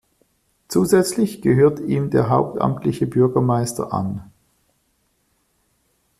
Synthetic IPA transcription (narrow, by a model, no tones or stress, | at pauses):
t͡suːzɛt͡slɪçɡ̥əɦøːɐtiːmdeːɐɦaʊp̚ta̰mtʰlɪçəbʏɐɡɐmaɪstʰɐ̰ʔa̰n